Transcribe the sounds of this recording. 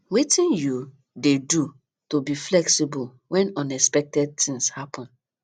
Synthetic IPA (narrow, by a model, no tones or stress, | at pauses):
wetĩnju | dedu | tobiflɛksibul | wɛ̃nɔ̃nɛspɛk̚tɛd̚t̪ĩŋshapʰɔ̃n